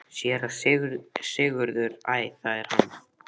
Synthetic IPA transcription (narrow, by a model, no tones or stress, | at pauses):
sjɛɾaɣsɪːɣʏɾðʏɾaːjθaðɪɾ̥hanː